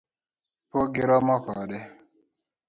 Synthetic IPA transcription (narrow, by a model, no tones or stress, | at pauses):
poɡɪɾɔmakaɗɛ